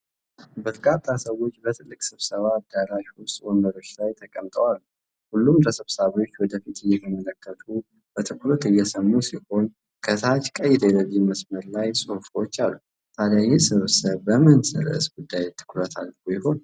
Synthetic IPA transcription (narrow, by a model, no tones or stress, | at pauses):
bət̪ʰɨkʼat̪ʼːasəwo̞t͡ʃːbət̪ʰɨlːɨkʼsɨβsəβaːd̪aɾaʃwʊst̪ʼwoməɾo̞t͡ʃːlajt̪ʰəkʼəmt̪ʼəwalːu | hulːumɾəsɨβsaβo̞t͡ʃːwɔd̪əfit̪ɨjːɛt̪ʰəmələkːət̪ʰu | b̥ət̪ʰɨkʰlot̪ɨjːɛsəmːusiho̞n | kʰəsat͡ʃkʼəjd̪ələβiməsməɾlajsʼofot͡ʃːalːu | t̪ʰalajisɨβsəβːəmɨnsɨ̰ɾ̰ɨ̰sɡud̪ːajt̪ʰːɨ̥kɾət̪ʰalːujɪho̞n